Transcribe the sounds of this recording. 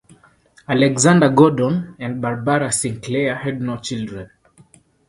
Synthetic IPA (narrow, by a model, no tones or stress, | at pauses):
alɛɡzãndaɡɔdɔ̃nɛ̃nd̚baɹbaɹasĩŋklɛahɛd̚not͡ʃildɹɛ̃n